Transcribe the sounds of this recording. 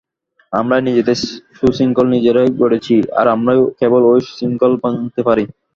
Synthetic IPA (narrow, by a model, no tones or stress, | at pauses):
amɾanid͡ʑed̪eʃusiŋkolnid͡ʑeɾajɡoɽet͡ɕʰia̰ɾamɾajkebolojʃsiŋkolpat̪epaɾi